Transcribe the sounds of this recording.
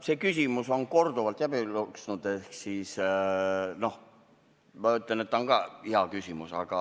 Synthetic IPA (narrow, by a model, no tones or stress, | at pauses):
se̞ːkysʲimuso̞nko̞rd̪uvɑlt̪ːˑjæbiluksnud̪̥ehksis | no̞h | mɑyt̪ˑlenet̪ːonkɑiɑkysʲimusɑɡ̥ɑ